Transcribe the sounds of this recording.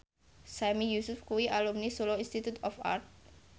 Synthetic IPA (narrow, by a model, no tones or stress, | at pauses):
samijusufkuwiʔalumnisulɔinst̪it̪ut̪ɔfa̰rt̪̚